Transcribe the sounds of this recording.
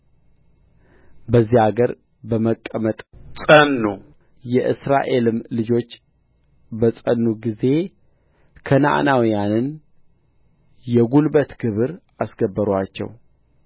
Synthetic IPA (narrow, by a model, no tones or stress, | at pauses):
bəzːihaɡəɾ | bəməkʼːəmət̪ʼsʼənːu | jɛʔɨ̰sɾaʔe̞lɨmlɨd͡ʒo̞t͡ʃː | bəsʼənːuɡize̞ | kʰəna̰ʔnawijanɨn | jɛɡulbət̪ɡ̥ɨβɨɾʔasɡəbːəɾwat͡ʃːɛ̰w